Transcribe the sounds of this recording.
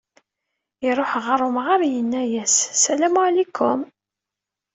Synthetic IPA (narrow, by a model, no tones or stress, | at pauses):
iɾˤoħʁɑɾˤomʁəɾˤjənːæjæsːælæmlikʰːʊm